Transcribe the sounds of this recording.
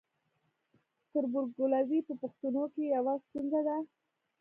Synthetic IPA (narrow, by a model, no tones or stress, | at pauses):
t̪əɾbʊɾɡɡʊlazipəpʊxt̪unokejawast̪unzad̪a